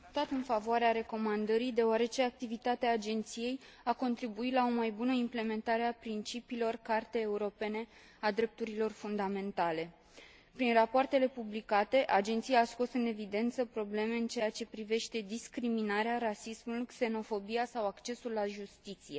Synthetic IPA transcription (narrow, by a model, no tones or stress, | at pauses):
t̪at̪ɨnfavoaɾeaɾe̞ko̞mand̪əɾid̪e̞oaɾe̞t͡ʃe̞ak̚t̪ivit̪at̪eaːd͡ʒe̞nt̪sije̞jako̞nt̪ɾibuit̪lao̞majbunəimple̞me̞nt̪aɾeapɾint͡ʃipiːlo̞rkart̪e̞ːuɾo̞pe̞ne̞ | ad̪ɾe̞p̚t̪uɾilo̞rfund̪ame̞nt̪ale̞ | pɾinrapoart̪e̞le̞publikat̪e̞ʔad͡ʒe̞nt̪sijaːsko̞sɨne̞vid̪e̞nt̪səpɾo̞ble̞me̞ɨnt͡ʃe̞jat͡ʃe̞pɾive̞ʃt̪e̞d̪iskɾiminaɾearasismulukse̞no̞fo̞bijasawakt͡ʃe̞sulːaʒust̪it̪sije̞